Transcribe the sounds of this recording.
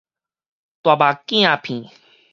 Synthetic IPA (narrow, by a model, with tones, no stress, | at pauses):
t̪wa˨ba˨kĩ˦ã˨pʰĩ˨